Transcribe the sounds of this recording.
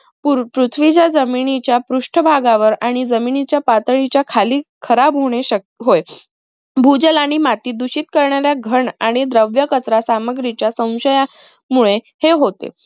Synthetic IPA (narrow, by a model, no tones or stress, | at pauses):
pupɾut̪ʰʋit͡ɕjad͡zəminit͡ɕjapɾuʂʈʰəbʱaɡaʋəɾaɽ̃id͡zəminit͡ɕjapat̪əɭ̃it͡ɕjakʰaliːkʰəɾabɦoɽ̃eɕə | ɦoj | bʱud͡zəlaɽ̃imat̪iːd̪uɕiːt̪̚kəɾɳaɾjaɡʱəɳaɽ̃id̪ɾəʋjəkət͡sɾasaməɡɾit͡ɕjasə̃w̃ɕəja | muɭe | heɦot̪ḛ